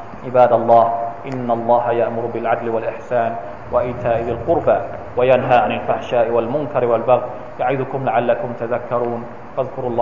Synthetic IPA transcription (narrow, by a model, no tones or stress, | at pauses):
ʕɪbaːd̪ɑlˤːɑːhʔɪnːalˤːɑːɦajaʔmʊɾbɪlʕad̪lɪwalʔɪħsaːn | waʔɪːt̪ʰaːʔɪbɪlqʊɾba | wajanɦaːʕanɪlfaħʃaːʔɪwalmʊnkɑɾwalbaɣ | jaʕɪðʊkʊmlaʕalːakʊmt̪aðakːɑɾˤuːn | faðkʊɾɑlˤː